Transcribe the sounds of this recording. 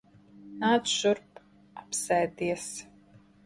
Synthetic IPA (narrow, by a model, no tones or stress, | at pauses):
naːdʒʊrp | apsɛːd̪iɛs